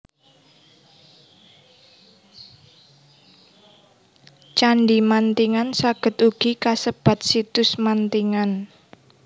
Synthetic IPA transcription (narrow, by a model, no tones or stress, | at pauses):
t͡ʃaɳɖimant̪iŋansaɡ̥ə̤t̪uɡ̥ikasəb̥a̤t̪̚sit̪ʊsmant̪iŋan